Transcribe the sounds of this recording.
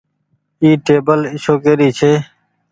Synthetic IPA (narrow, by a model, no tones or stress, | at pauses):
iːʈeːbəlɪʃoːkeːɾiːt͡ʃʰeː